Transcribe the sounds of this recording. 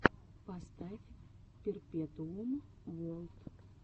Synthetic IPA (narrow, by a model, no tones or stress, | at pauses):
past̪a | pʲɪrpʲɛt̪un | ʋɔlˠt̪